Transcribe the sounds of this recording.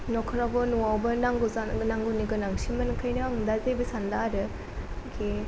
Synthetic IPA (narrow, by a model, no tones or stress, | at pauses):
nɔkʰɯɾabɯnuawbɯnaŋɡuzanaŋɡuniɡɯnaŋsimɯnkʰɯjnɯaŋdazejbɯsandaɾɯ | ɡe